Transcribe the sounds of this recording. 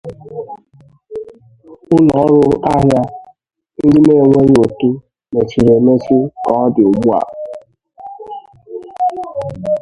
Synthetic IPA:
ʊ˦nɔ˨˦ɾʊ˦a˦ɦja˦ | n̩˦dɪ˦ne˦˨e˨ŋʷe˦ɲ˦o˨tu˦ | ne˨t͡ʃi˨ɾe˨me˦si˦kɔ˨ɔ˦dɪ˨ʊ˨ɡ͡bu˦a̰˨

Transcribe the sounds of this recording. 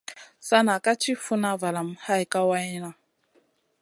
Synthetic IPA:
sa˦na˨ka˦t͡ʃi˦fu˦na˦va˨la˨mha˦jka˦wa˦i˦na˨

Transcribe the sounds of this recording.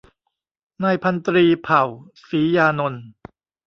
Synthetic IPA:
naː˧jpʰa˧nt̪ɾiː˧pʰa˨˩w | siː˩˦jaː˧no˧n

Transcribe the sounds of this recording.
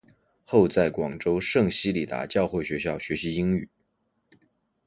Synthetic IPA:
xo˥˧ʊt͡sa˥˩ɪkwɑ˨˩ŋʈ͡ʂo˥ʊʂɤ˥˩ŋɕi˥li˨˩t̪a̰˧˥t͡ɕjɑ˥˧ʊxwe˥˩ɪɕɥɛ˧˥ɕjɑ˥˩ʊɕɥɛ˧˥ɕi˧˥i˥ŋy̰˨˩˦

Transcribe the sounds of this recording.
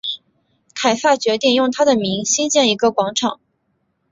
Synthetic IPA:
k̪ʰa˨˩ɪsa˥˩t͡ɕɥɛ˧˥t̪i˥˩njʊ˥˩ŋt̪ʰa˥d̪ə˨mi˧˥ŋɕi˥nt͡ɕjɛ˥˩ni˧˥ɡə˧kwɑ˧˥ŋʈ͡ʂʰɑ˨˩˦ŋ

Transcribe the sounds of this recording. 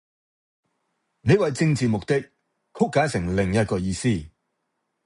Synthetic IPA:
ne˨˧jwɐ˨jt͡sɪ˥˧ŋt͡siː˨mʊ˨k̚t̪ɪ˥k̚ | kʰʊ˥kːaː˨˥nsɪ˨˩ŋlɪ˨˩ŋjɐ˥t̚kɔː˧jiː˧siː˥

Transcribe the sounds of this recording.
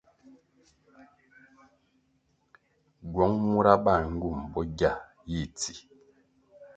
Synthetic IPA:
ɡwɔ˨˦ŋmu˦ɾa˦ba˦˨ŋ̩˦ɡu˦˨mbɔ˦ɡa˦˨ | ji˦˨ti˨

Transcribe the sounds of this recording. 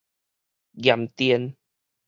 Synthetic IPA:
ɡja˨˩mt̪iə˧n

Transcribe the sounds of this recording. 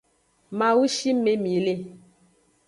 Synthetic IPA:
mã˨wu˦ʃi˦me˦mi˨le˦˨

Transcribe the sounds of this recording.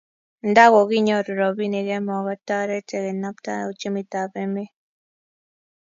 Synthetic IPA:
n̩˨da˦ɡɔ˨ɡi˦ɲɔ˦˨ɾu˨ɾɔ˨bi˦ne˨ɡɛ˦mɔ˨ɣa˦ta˦ɾɛ˦tɛ˨ɣɛ˨na˦pta̰˦˨u˨t͡ʃe˦mi˨ta˨pe˦me˦

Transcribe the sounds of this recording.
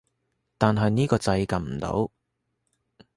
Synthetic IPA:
t̪aː˨nɦɐ˨jniː˥kɔː˧t͡sɐ˧jkɐ˨nm̩˨˩t̪o̰˨˥w

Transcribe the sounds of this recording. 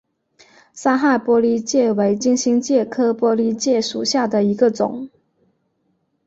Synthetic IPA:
sa˥xa˥˩ɪpwɔ˥li˥t͡ɕjɛ˥˩we˧˥ɪt͡ɕi˥nɕi˥ŋt͡ɕjɛ˥˩kʰɤ˥pwɔ˥li˥t͡ɕjɛ˥˩ʂu˨˩ɕja˥˩d̪ə˩i˧˥ɡə˧t͡sʊ̰˨˩˦ŋ

